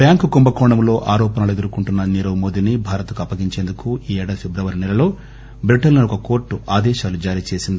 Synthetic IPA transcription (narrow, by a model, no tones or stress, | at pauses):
bjaːŋkukumbɐkɔːɳɐmlo̞ːʔaːɾɔːpɐnɐlue̞d̪uɾukuɳʈunːɐniɾɐʋmoːd̪inibʱaːɾɐt̪ɐkɐpːɐɡiɲt͡ʃe̞ːnd̪ukuiːɛːɽɐpʰebɾɐʋɐɾinɛlɐlo̞ː | bɾiʈɐlnɐɔkɐko̞ːɾʈːuʔaːd̪ɛːʃaːlud͡ʒaːɾiːt͡ʃe̞ːsind̪i